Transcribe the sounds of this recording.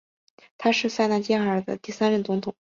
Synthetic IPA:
t̪ʰa˥ʂɻ̩˥˧sa˥˧ɪna˥˩t͡ɕjɛ˥ə˞˨˩d̪ə̰˧t̪i˥˩sa˥nɻə˥˩nt͡sʊ˧˥ŋt̪ʰʊ˨˩˦ŋ

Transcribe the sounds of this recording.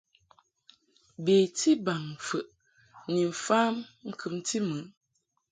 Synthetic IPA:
beː˨tʰi˦ba˨ŋ˨fə˨ʔ | ni˨m̩˨faː˦mŋ̩˦kʰɨ˨m˦tʰi˦mɨ˨˦

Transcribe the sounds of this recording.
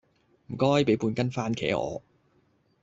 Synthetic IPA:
m̩˨˩kɔː˥jpe˨˥jpuː˧nkɐ˥nfaː˥nkʰɛ̰ː˨˥ʔɔ̰ː˨˧

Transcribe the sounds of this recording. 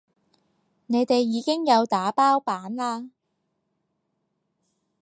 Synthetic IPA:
ne˨˧jt̪e˨jːiː˨˧kɪ˥ŋjɐ˨˧wt̪aː˨˥paː˥wpaː˨˥nlaː˧

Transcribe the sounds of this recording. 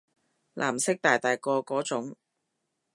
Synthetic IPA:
lʔa̰ː˨˩msɪ˥k̚t̪aː˨˩jt̪aː˨jkɔː˧kɔː˨˥t͡sʊ˨˥ŋ

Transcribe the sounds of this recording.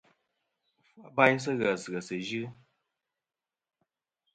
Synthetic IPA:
fa˦ba˦js̬ɨ˦ɣə˨sɨ˨ə˨sə˨ʒɨ˦

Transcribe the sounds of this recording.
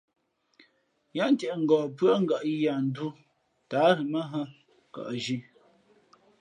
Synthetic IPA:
ja˦n˦tɛ˨ʔŋ̩˨ɡɔː˨pɰə˦ŋ̩˦˨ɡa˨ʔja˨n̩˦du˦ | ta˨˦ɾi˨mə˦ɦə˦˨ | ka̰˨ʔʒi˦

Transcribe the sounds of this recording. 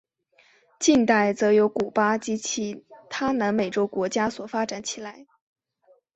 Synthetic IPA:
t͡ɕi˥˧ŋt̪a˥˩ɪt͡sɤ˧˥jo˧˥ʊku˨˩pa˥˩t͡ɕi˧˥t͡ɕʰi˥˩t̪ʰa˥na˧˥ŋme˨˩ɪʈ͡ʂo˥ʊkwɔ˧˥t͡ɕja˥swɔ˨˩fa˥ʈ͡ʂa˨˩nt͡ɕʰi˨˩la˧˥ɪ

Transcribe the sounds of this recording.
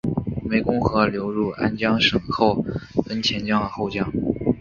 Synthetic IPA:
me˧˥ɪkʊ˥ŋxɤ˧˥ljo˧˥ʊɻu˥˩a˥nt͡ɕjɑ˥ŋʂɤ˨˩ŋxo˥˩ʊk̪ə˥nt͡ɕʰjɛ˧˥nt͡ɕjɑ˥ŋd̪ə˩xo˥˧ʊt͡ɕjɑ˥˩ŋ

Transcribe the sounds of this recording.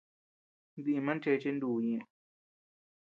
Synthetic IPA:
nd̪i˧i˧mã˦nt͡ʃe˧t͡ʃe˦nd̪uː˧˨ɲĩ˧ʔ

